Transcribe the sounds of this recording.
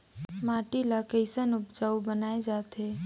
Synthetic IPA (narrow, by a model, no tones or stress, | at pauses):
maʈilakəɪsənupd͡ʒaubənaed͡ʒat̪e